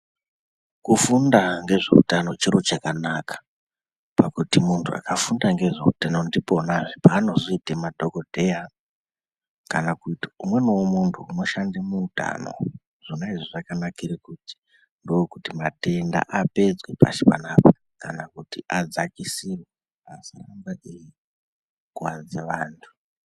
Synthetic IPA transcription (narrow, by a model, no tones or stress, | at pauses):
kufundaŋɡe̞ʐe̞̰ṵtano̞t͡ʃiɾot͡ʃakanakḁ | pakutimuntʰua̰kafundaŋɡe̞ʐe̞̰ṵtanondipo̞naʐipaːno̞zoitemadʱoko̞dʱe̞ja | kanakuti̥umwe̞nowomuntʰumoʃandimuːta̰no̰ | ʐ̥inaiʐiʐakanakirekuti̥ | ndojokutimate̞nda̰ʔape̞d͡zwepa̰ʃi̥pa̰napḁ | kanakutiʔad͡zakisirwe | asarambaʔiji | kuwand͡zeʋaːntʰu̥